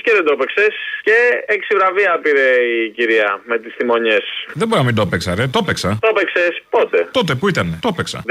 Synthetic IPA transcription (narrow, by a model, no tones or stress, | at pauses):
ceðend̪opekse̞sce̞eksivɾɐviɐpiɾe̞iciɾiɐmet̪ist̪imo̞ɲe̞sðebo̞ɾinɐmind̪o̞peksɐɾet̪o̞peksɐt̪opeksespo̞t̪et̪o̞t̪̬epuit̪ɐnet̪o̞peksɐ̰